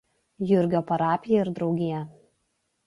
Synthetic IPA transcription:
jʊɾʲɡʲoːpɐɾɑːpʲɪjɛɪɾd̪ɾɒʊɡʲɪjɛ

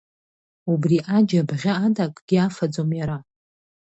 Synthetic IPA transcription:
ubriʔad͡ʒabʁʲaːdakʼɡ̥ʲiafad͡zomjaɾa

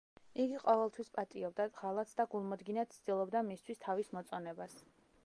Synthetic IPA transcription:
iɡiqʼɔvɛlˠt̪ʰwispʼat̪ʼiɔb̚d̪aʁalˠat̪sʰd̪aɡulˠmɔd̪ɡinat̪̚t̪sʰd̪̥ilˠɔbd̪amist̪ʰwist̪ʰavismɔt̪sʼɔnɛbas

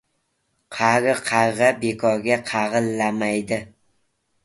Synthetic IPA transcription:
qʰɑʁɨqʰɑʁɑbekʰɒɾɡʲaqʰɑʁɨlˠːamajd̪ɪ

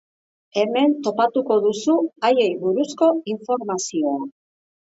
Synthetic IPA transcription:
e̞me̞nt̪o̞pat̪uko̞ðusuaje̞jβuɾusko̞iɱfo̞ɾmasio̞a

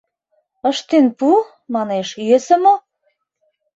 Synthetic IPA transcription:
əʃt̪enpu | mɑneʃjøsə̆mo

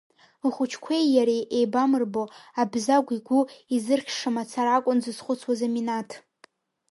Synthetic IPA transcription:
χʷʊt͡ʃʰkʷʰejjaɾiʔejbamɨrboabzaɡʷiɡʷʊizɨrχʲʰʂɨmat͡sʰaɾakʷʼʊnzɨzχʷʊt͡sʰwazaminatʰ

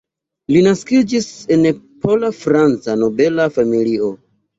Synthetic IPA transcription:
linaskid͡ʒise̞nepʰo̞lafɾant͡sano̞be̞lafamilio̞

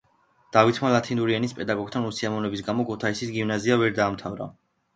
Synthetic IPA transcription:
d̪̥avit̪ʰmalat̪ʰinuɾianispʼɛd̪aɡɔɡ̚t̪ʰanusiamɔnɛbis̬ɡamɔkʰut̪ʰaisisɡivnaziavɛɾd̪aːmt̪ʰavɾa̰

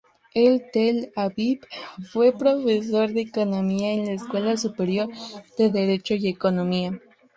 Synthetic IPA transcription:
elt̪elaβipfwe̞pɾo̞fes̬o̞ɾðe̞ːkonomiaenlaeskwe̞lasupe̞ɾjo̞ɾð̥e̞ðeɾet͡ʃojekonomia

